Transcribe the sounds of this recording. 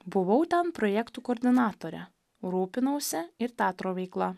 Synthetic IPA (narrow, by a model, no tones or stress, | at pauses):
bʊʋɐʊt̪ʲɛnpɾɔjɛkt̪uːkoːɾʲd̪ʲɪnɑːt̪oːɾʲɛ̰ | ɾuːpʲɪnɐʊsʲɛɪɾt̪ʲæːt̪ɾoːʋʲɛɪklˠɐ